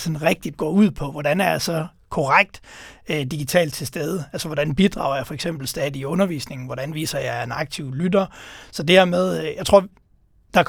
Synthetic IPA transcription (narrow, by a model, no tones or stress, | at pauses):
sɒ̽nʁeɡ̥̚d̥id̥̚ɡ̥ɒ̰ːuð̰ˠpʰɒ̽ʋɒdænæɐjɑ̈sɒ̽ | kʰɒʁaɡ̥̚d̥ød̥iɡ̥it͡sʰɛ̰ːld̥̚t͡sʰe̝sd̥eð̞ˠəælsɐʋɒd̥ænb̥id̥ʁɑ̈ʊɐjɑ̈fɒ̽eɡ̥sem̰b̥l̩sd̥ɛːðˠiɔ̽nɐʋḭːsne̝ŋn̩ʋɒɾ̥ænʋḭːsɐjɑ̈ɪenɑ̈ɡ̥̚t͡sʰiʊ̰lyd̥ɐsɒ̽d̥eeɐmeð̞ˠjɑɪt͡sʰʁo̝ɐ̰ | d̥ɑ̈k